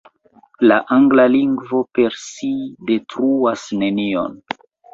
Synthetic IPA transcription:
laʔaŋɡlaliŋɡvo̞pe̞ɾside̞tɾuasne̞nio̰n

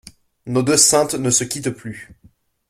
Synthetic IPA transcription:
nod̪øsɛ̃t̪nəsəkʲit̪ply

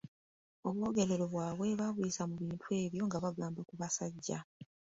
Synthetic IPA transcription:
o̞βwo̞ɡe̞ɾe̞ɾo̞βwaːβwe̞βaβujisamuβiːntʰwe̞ːβjo̞ŋɡaβaɡaːmbakuβasaɟːa̰

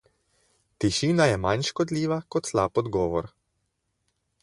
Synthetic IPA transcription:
t̪iʃiːnajɛmanʃkɔd̪liːʋakɔt̪slaːpɔd̪ɡɔːʋɔɾ

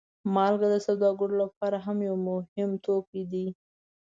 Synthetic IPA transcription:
mɑlɡad̪əsawd̪ɑɡəɽolapɑɾaɦamjawmʊhɪmt̪opid̪i

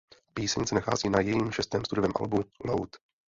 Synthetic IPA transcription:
piːsɛɲsɛnaxa̰ːziːnajɛjiːmʃɛst̪ɛːmst̪udʊvɛːmʔa̰lbulo̰wt̪

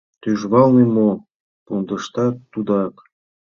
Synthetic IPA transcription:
t̪yʒβɑlnimo | pund̪ɤ̆ʃt̪ɑt̪ud̪ɑk

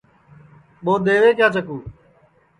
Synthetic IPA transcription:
ɓoːd̪eːʋeːkjaːt͡ʃəkuː

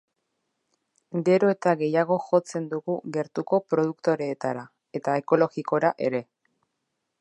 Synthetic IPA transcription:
ɡe̞ɾo̞e̞t̪aɣe̞jaɣo̞xo̞t͡se̞nd̪uɣuɣe̞ɾt̪uko̞pɾo̞ð̞ukt̪o̞ɾe̞ːt̪aɾa | e̞t̪ae̞ko̞lo̞ɣiko̞ɾaʔe̞ɾe̞

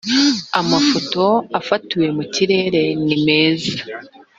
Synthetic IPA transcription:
amafo̞to̞afatiwe̞muciɾe̞ɾe̞nime̞ːza

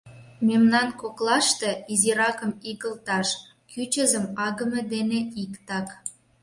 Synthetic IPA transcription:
memnɑnkoklɑʃt̪eiziɾɑkə̆miɣəlt̪ɑʃ | kyt͡ɕə̆zəmɑɣə̆med̪eneikt̪ɑk

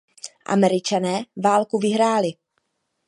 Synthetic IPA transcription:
ʔa̰mɛɾɪt͡ʃanɛːvaːlkuvɪɦɾaːlɪ

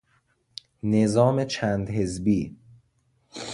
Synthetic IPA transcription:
nezɒːmet͡ʃʰæːnd̪ɦe̞zbiː

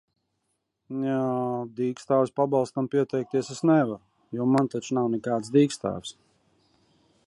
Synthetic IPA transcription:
nad̪iːkst̪aːvspabɑlˠst̪ampʲiɛt̪ɛjk̚t̪iɛsesnɛvaɾ | juɔmant̪at͡ʃunawnɛkaːt̪s̬d̪iːkst̪a̰ːvs

